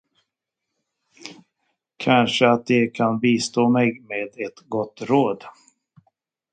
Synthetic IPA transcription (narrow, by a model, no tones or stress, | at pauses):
kʰanʂəat̪̚d̪ɛkʰanbiːst̪oːmɛɡmeːd̪ɛt̪ɡɔt̪ːɾoːd̪